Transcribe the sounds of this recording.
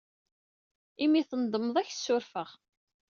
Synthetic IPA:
imiθənd̪ˤəməðˤæçθsːʊɾfəʁ

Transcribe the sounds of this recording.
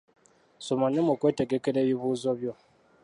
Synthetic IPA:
somaɲemokweːteɡekeɾeːβiβuːzoβjo̞

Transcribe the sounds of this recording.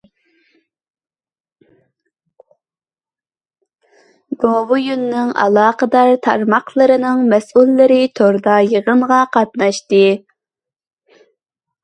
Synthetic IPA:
ɡovujunːɨŋʔɑ̰lˠɑːqəd̪ɑɾt̪ʰɑ̰ɾmɑqlˠəɾɨnɨŋmɛsulːɨɾɨt̪ʰoɾd̪ɑjəʁəmʁɑqʰɑt̪nɑʃt̪ɨ

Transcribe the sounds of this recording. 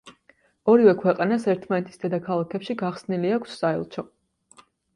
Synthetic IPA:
ɔɾivɛkʰwɛqʼanasɛɾt̪ʰmanɛt̪ʰi̥sd̪ɛd̪akʰalˠakʰɛpʃiɡaχsniliakʰʷsːaɛ̰lˠt͡ʃʰɔ

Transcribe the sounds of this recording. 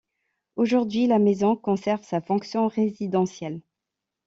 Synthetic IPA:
oʒuʁd̪ɥilamezɔ̃kɔ̃sɛʁvsafɔ̃ksjɔ̃ʁezid̪ɑ̃sjɛl

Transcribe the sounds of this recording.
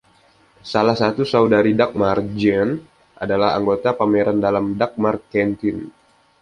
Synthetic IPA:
salahsat̪usawdaɾidak̚mard͡ʒɛn | ʔadalaa̰ŋɡot̪apameɾandalamdak̚markɛnt̪ɪn

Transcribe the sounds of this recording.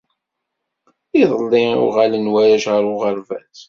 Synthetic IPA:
iðˤəlːɪʊ̰ʁalənwæjæʃʁəɾʊʁəɾvæθ

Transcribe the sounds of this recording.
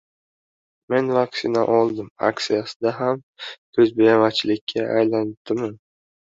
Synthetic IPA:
me̞nvakʲsɪnaʔɒlˠd̪ɪma̰ksijasɪd̪aɦam | kʰɵzbejamat͡ʃʰɪlɪkʲʰːaʔajlan̚t̪ʰːɪman

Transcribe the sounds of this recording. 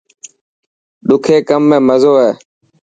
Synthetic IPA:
ɗʊkʰeːkəmːẽːməzoːɦɛː

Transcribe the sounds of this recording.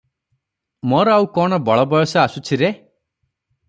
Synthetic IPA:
moɾɔawkɔɽ̃ɔbɔɭɔbɔjɔsɔasut͡ʃʰiɾe

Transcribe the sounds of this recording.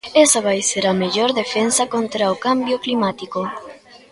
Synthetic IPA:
esaβ̞ajseɾɐmeʎoɾðefensakont̪ɾaokambjoklimat̪iko

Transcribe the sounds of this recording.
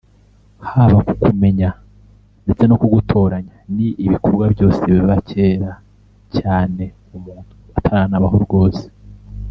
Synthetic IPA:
haβakukume̞ɲa | nde̞t͡se̞nokuɡutʰo̞ːɾaɲaniʔiβikoɾɡwabjo̞ːse̞βiβacʰe̞ːɾa | caːne̞ | umuːn̥uatʰaɾaːnaβaɦoɾɡo̞ːse̥

